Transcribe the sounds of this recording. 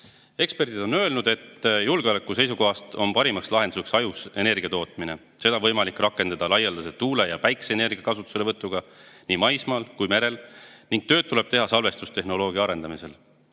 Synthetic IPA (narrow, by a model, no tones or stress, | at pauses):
e̞kspe̞rd̪̥id̪̥o̞nø̞elnud̪̥e̞t̪ːjulɡ̥eolekːˑuse̞jsuko̞ɦɑst̪o̞̰npɑɾimɑkslɑɦe̞nd̪u̥seksɑjuse̞ne̞rɡiɑt̪o̞ːt̪ˑmine̞̰ | se̞d̪ɑvɤjmɑlikːˑrɑkːˑe̞nd̪̥ɑd̪̥ɑlɑjːɑld̪ɑset̪uːle̞jɑpæjkseene̞rɡ̥iɑkɑsut̪ːˑu̥seleɤt̪ˑːuɡ̥ɑniːmɑjsmɑːlkujme̞ɾe̞lniŋɡ̥̚t̪ø̞ːd̪t̪ːule̞b̥̚t̪e̞ɦɑsɑlve̞st̪ust̪e̞ɦno̞lo̞ːɡ̥iɑɑɾe̞nd̪ɑmise̞l